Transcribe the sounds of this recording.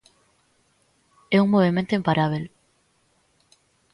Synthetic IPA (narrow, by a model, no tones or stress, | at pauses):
ɛuŋmoβemẽnt̪oimpaɾʔaβ̞el